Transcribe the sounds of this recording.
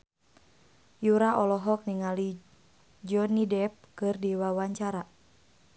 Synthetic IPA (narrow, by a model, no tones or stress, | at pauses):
juɾaʔɔlɔɦɔk̚niŋali | d͡ʒɔnidɛp̚kɨrdiwawaɲt͡ʃaɾa